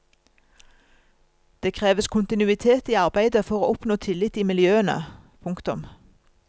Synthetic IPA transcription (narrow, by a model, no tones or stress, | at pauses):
d̪̥eːkʰʁeːʋəskʰʊnt̪ɪnʉɪt̪ʰeːt̪iːɑʁbæɪd̪əfɔʁoːɔpnoːt̪ʰɪlɪt̪iːmɪljøːənə̰pʰʊŋkt̪ʊm